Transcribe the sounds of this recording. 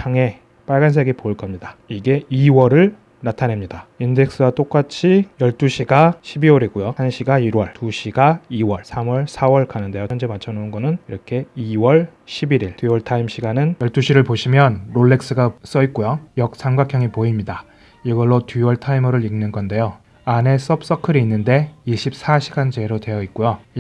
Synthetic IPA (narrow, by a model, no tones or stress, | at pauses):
t͡ɕʰaŋe̞ | p͈aɭɡansʰeɡipoiɭk͈ʌmɲidaiɡe̞iwʌɾɯɭ | natʰane̞mɲidainde̞k̚s͈ɯɡat͈ok͈at͡ɕʰijʌɭt͈uɕʰiɡaɕʰibiwʌɾiɡujohanɕʰiɡaiɾwʌɭtuɕʰiɡaiwʌɭsʰamwʌɭsʰawʌɭkanɯnde̞jojʌnd͡ʑemat͡ɕʰʌnounɡʌnɯniɾʌkʰe̞iwʌɭɕʰibiɾiɭtuwʌɭtʰaimɕ͈ʰiɡanɯnjʌɭt͈uɕʰiɾɯɭpoɕʰimjʌnɾoɭːe̞ks͈ɯɡas͈ʌit̚k͈ojojʌk̚s͈ʰaŋɡwakʰjʌŋipoimɲida | iɡʌɭːotiwʌɭtʰaimʌɾɯɾiŋnɯnɡʌnde̞jo | ane̞s͈ʌp̚s͈ʌkʰɯɾiinːɯnde̞iɕʰip̚s͈ʰaɕʰiɡand͡ʑe̞ɾodwe̞jʌit̚k͈ojo